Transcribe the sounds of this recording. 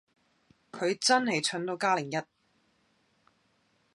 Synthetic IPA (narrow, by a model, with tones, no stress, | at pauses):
kʰɵ˨˧ɥt͡sɐ˥nhe˨jt͡ʃʰɵ˨˥nt̪o˨˧wkaː˥lɪ˨˩ŋjɐ˥t̚